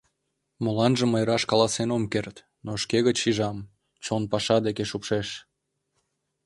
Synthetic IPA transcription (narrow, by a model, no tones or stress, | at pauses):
molɑnʒə̆məjɾɑʃkɑlɑsenomkert̪ | noʃkeɣət͡ɕʃiʒɑm | t͡ɕonpɑʃɑd̪ekeʃupʃeʃ